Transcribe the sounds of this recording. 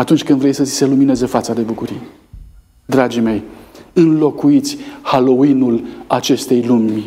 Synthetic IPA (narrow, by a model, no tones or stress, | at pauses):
at̪unt͡ʃʲkɨnd̪vɾejsəi̥se̞lumine̞ze̞fat̪sad̪e̞bukuɾije | d̪ɾad͡ʒime̞jɨnlo̞kuit̪sʲhalo̞inulat͡ʃe̞st̪e̞jlumʲ